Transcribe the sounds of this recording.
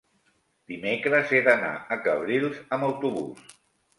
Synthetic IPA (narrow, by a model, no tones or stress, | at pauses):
d̪̥imekɾəzeðəna̰əkəβɾilˠzəməwt̪uβṵs